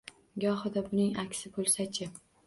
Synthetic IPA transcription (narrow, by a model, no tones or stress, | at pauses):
ɡʲɒɦɨd̪abʊnɪŋakʲsɪbolˠsat͡ʃʰɪ